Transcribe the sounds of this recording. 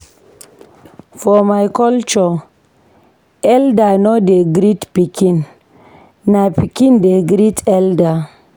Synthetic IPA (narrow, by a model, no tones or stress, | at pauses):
fɔmajkɔlt͡ʃɔ | ɛldanodeɡɾit̪pikʰin | napʰikindeɡɾit̪ʰɛlda